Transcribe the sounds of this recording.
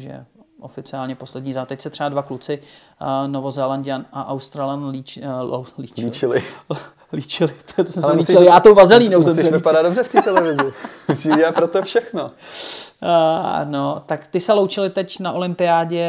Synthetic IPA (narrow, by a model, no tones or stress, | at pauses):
ʒjɛ̰ʔo̰fɪt͡sɪaːlɲɛpo̞slɛdɲiːzat̪ɛcsɛt̪r̥ɛbadvaklut͡sɪ | novo̞zɛlandanaʔawst̪ɾaːlanli | lit͡ʃit͡ʃɪlɪ | liːt͡ʃɪlɪt̪osɛmsɛliːt͡ʃɪljaːt̪owvazɛliːnowssɛmɛɪpadad̪dobrɛft̪it̪ɛlɛvɪzɪmusiɛapɾot̪ofʃɛxno | not̪akt̪ɪsɛlowt͡ʃɪlɪt̪ɛcnaʔolɪmpɪjaːɟɛ